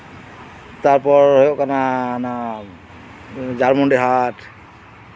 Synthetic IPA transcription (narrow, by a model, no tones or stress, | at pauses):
t̪aɹpɔɹhojoʔkanana | zaɹmɔndeɦat